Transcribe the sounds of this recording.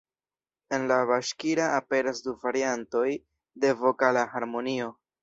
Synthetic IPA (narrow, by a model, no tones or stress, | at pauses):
e̞nlaβaʃkiɾaːpe̞ɾasduvaɾianto̞j | de̞vo̞kalahaɾmo̞nio̞